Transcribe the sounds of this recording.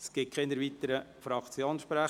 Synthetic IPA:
sɡ̥ɪt̚kʰχend̪əɾʋit̪əɾəfɾɑkt͡sjoːnʃpɾæ

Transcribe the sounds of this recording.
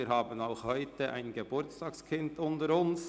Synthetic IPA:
iːɾhɑːbənaʊxhɔʏtəʔa̰ɪnɡəb̥ʊɾt͡stɑːkskʰɪndʊntəɾʊns

